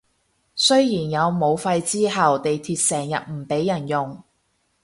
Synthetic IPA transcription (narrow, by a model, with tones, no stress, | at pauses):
sɵ˥ɥjiː˨˩njɐ˨˧wmo˨˧wfɐ˧jt͡siː˥ɦɐ˨wt̪e˨jt̪ʰiː˧t̚sɛː˨˩ŋjɐ̰˨t̚m̩˨˩pe˨˥jːɐ˨˩njʊ˨ŋ